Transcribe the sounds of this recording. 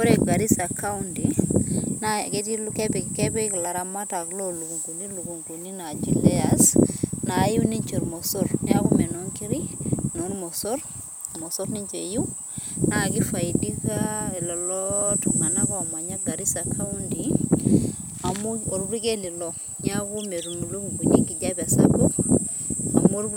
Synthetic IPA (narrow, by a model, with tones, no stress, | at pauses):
ɔ˦ɾe˨ɡa˨ɾi˦sa˨ka˦undi | nake˦ti˦lkepikɛpi˦kla˨ɾa˨ma˦ta˨klolu˨ku˨ŋku˨ni˦lu˨ku˨ŋku˨ni˦na˨d͡ʒi˨lɛ˦a˨sna˨˦juni˦ɲt͡ʃo˨ɾmɔ˨soɾnɛa˦kumɛ˨no˦ŋki˦ɾi˦no˨ɾmɔ˨sɔ˦ɾ | mɔsɔɾni˦ɲt͡ʃḛ˨ju˦ | na˨ki˦fa˨jidikalɔ˨lɔtɔŋa˨na˦kɔ˨ma˨ɲa˦ɡa˨ɾi˦sakʰa˦undi | a˨muoɾɾi˦ke˦li˨lɔ | ɲaku˦me˨ɾmlu˦kuŋɡuɲi˦ŋɡi˨d͡ʒa˦pa˨sa̰bu | a̰mo˦ɾ